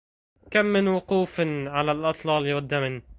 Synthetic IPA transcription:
kamːɪnwʊquːfʕalalʔɑt̪ˤlɑːlwad̪ːamn

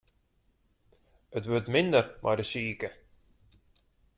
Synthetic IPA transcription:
ətʋøːtmɪnd̪əɾmʔa̰jdəsiːkə

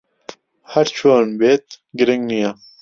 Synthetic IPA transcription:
haɾt͡ʃʰoːnbeːt̪ | ɡɪɾiŋɡnija

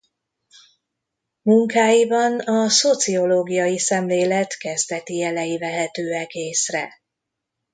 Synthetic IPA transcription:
muŋkaːjibɒnɒso̞t̪sio̞loːɡijɒjisɛmleːlɛt̪kɛzd̪ɛt̪iɛlɛjivɛɦɛt̪øːɛkeːsrɛ

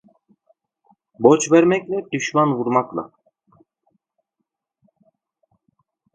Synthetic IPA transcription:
bɔt͡ʃʰvɛɾmɛkʲlɛd̪yʃmanvuɾmakla̰

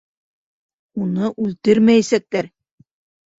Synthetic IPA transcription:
unɤʔʉlt̪ɘɾmæjæsæk̚t̪æɾ

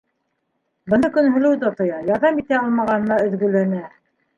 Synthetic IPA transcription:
bɤ̆nɤkɵ̆nɦɵ̆lɘwt̪ot̪ŏjɑjɑɾðɑmit̪æɑlˠmɑʁɑnɤ̆nɑɵ̆ðɡɵ̆lænæ

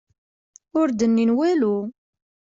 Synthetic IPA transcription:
ʊɾd̪ənːinwælu

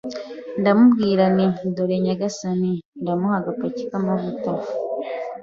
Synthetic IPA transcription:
ndamubɡiːɾanindoɾeɲaɡasani | ndamuhaɡapacikamaβutaf

